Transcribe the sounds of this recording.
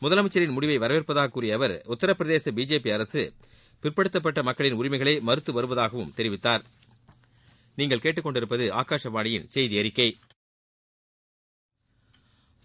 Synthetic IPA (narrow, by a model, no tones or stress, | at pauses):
mʊðɐlɐmɐt͡ʃːɐɾɪnmʊɽɪʋɐɪʋɐɾɐʋɪrpɐðaːɣɐkːuːrɪjɐːʋɐɾʊt̪ːɐɾɐpːɪɾɐðeːsɐbiːd͡ʒeːpiɐɾɐsɯ | pɪrpɐɽɯt̪ːɐp̬ːɐʈːɐmɐkːɐɭɪnʊɾɪmɐɪɣɐɭɐɪmɐɾɯt̪ːɯʋɐɾɯʋɐðaːɣɐʋɯmt̪ɛɾɪʋɪt̪ːaːɾ | niːŋɡɐɭkeːʈːɯkːɔɳɖɪɾɯpːɐðɯa̰ːkaːʂɐʋaːɳɐjɪnsɛjðiɐɾɪkːɐɪ